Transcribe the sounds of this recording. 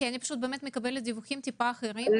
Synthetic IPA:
eanipi̥ʃut̪̚bemet̪mikɐbeled̪ivuximt̪ipaxɾil

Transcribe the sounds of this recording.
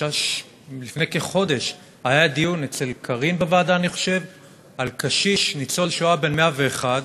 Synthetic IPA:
aʃ | lifnejkeχo̞de̞ʃ | hajad̪ijunet͡se̞lkʰaʁinbevaːdaːniχo̞̥ʃe̞v | alkaʃiʃnit͡so̞lʃuabe̞nmeave̞ːχad

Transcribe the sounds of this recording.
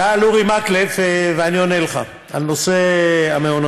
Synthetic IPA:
aluʁimaklefveanioneleχa̰ | a̰noseameon

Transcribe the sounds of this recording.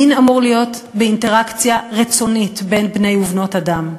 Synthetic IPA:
inamuʁlijo̞t | beinte̞ʁakt͡sjaʁit͡so̞nitbe̞nbne̞juvno̞tadam

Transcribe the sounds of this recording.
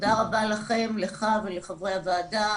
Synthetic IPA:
d̪aʁabalaχe̞mleχaveleχavʁejhavaːda

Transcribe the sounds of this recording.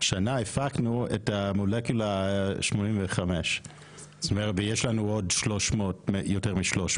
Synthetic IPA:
ʃanaefaknuḛtamolekjulaʃmo̞nimveχameʃ | stomeʁetvejeʃlanuo̞dʃlo̞ʃmoːtmjoteʁmiʃlo̞ʃ

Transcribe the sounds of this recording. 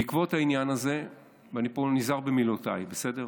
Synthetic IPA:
ikvotainjanaze̞ | vanipo̞nizaʁbemilotajbese̞deʁ

